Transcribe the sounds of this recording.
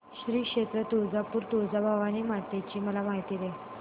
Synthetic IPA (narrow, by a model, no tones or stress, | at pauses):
ɕɾiːkʂet̪ɾət̪od͡zapuːɾt̪od͡zabʱaʋaniːmat̪et͡ɕiːməlamaɦit̪iːd̪e